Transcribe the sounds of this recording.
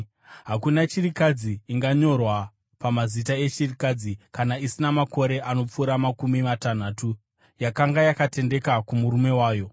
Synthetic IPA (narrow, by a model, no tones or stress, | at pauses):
ɦakunat͡ʃirikad͡ziːŋɡaɲo̞rwa | pamazitae̞t͡ʃirikad͡zikanaisinamako̞ɾe̞ʔano̞p͡fuːɾamakumimatan̤aːtu | jakaŋɡajakate̞nde̞kakumuɾume̞waːjo̞